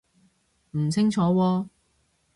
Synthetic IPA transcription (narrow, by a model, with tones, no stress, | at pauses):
m̩˨˩t͡sʰɪ˥ŋt͡sʰɔː˨˥wɔː˧